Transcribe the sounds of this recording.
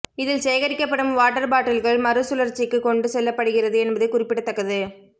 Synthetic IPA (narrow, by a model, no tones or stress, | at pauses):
ɪðɪlsɛːɣɐɾɪkːɐpːɐɽɯmʋaːʈːɐɾbaːʈːɪlɣɐɭmɐɾɯsʊlɐɾt͡ʃːɪkːɯkɔɳɖɯsɛlːɐpːɐɽɯɣɪrɐðɯɛnbɐðɯkʊrɪpːɪɽɐt̪ːɐkːɐðɯ